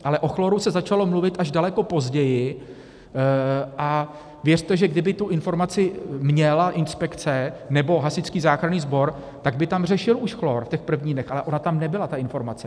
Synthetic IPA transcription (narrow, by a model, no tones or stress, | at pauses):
ʔalɛʔo̞xloɾusɛzat͡ʃalo̞mluvɪt̪ʔaʒdalɛko̞po̞zɟɛjɪ | ʔa | vjɛr̥t̪ɛʒɛɡdɪbɪt̪uʔɪnfo̞ɾmat͡sɪmɲɛlaʔɪnspɛkt͡sɛnɛbo̞ɦasɪt͡skiːzaːxɾaniːzbo̞ɾ | t̪aɡbɪt̪amr̝ɛʃɪluʃxlo̞ɾfc̪ɛxpr̩vɲiːnɛxʔalɛʔo̞nat̪amnɛbɪlat̪aʔɪnfo̞ɾmat͡sɛ